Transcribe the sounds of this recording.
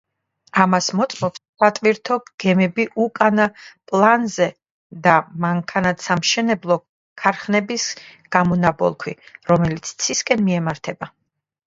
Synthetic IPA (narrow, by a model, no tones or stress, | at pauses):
amasmɔt̪sʼmɔpsːat̪ʼviɾt̪ʰɔɡ̥ɛmɛbiʔukʼanapʼlˠanzɛ | d̪amaŋkʰanat̪samʃɛnɛblˠɔ | kʰaɾχnɛbisɡ̥amɔnabɔ̰lˠkʰwḭɾɔmɛlit̪sʰt̪sʰiskʼɛnmiɛmaɾt̪ʰɛba